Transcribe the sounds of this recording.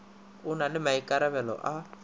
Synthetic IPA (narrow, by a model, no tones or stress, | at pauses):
ʊnalɪmaikʼaɾɛβɛlɔ̰ʔa